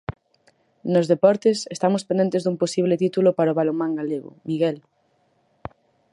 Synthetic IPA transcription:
nozðepɔɾt̪esest̪amospẽnd̪ent̪ezðumposiβ̞let̪it̪ulopaɾaoβalomãŋɡaleɣo̰miɣɛl

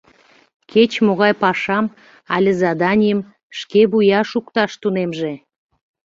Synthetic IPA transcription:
kʰet͡ɕmoɣɑjpɑʃɑm | ɑ̰lʲəzɑd̪ɑnʲijəm | ʃkeβujɑʃukt̪ɑʃt̪unemʒe

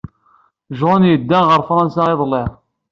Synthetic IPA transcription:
ʒonjəd̪ːænʁəɾfɾˤɑnsɑeðˤlːeʁ

